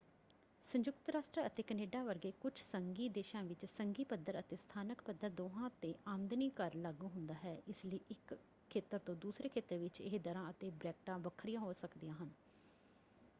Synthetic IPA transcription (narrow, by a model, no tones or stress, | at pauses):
sə̃ɲd͡ʒʊkt̪ɾaːsʈɾəət̪eːkəneːɖaːʋəɾɡeːkʊt͡ʃʰsəŋɡiːd̪eːʃãːʋɪt͡ʃsəŋɡiːpəd̪ːəɾət̪eːst̪ʰaːnəkpəd̪əɾd̪oːɦãːt̪eːʔaːmd̪niːkəɾləɡuːɦʊnd̪aːɦɛːɪsləiːʔɪkʰː | eːt̪əɾt̪õːd̪uːsɾeːkʰeːt̪əɾʋɪt͡ʃɪ̰ɦd̪əɾãːət̪eːbɾɛːk̚ʈãːʋəkʰːɾɪjãːɦoːsəkd̪ijãːɦən